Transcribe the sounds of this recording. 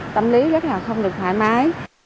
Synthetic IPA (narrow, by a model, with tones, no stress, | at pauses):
t̪ə˧mli˨˦zə˦˥t̚laː˨˩xə˧wŋ͡mɗɨ˨˩k̚tʰwa̰ː˧˨jmaː˨˦j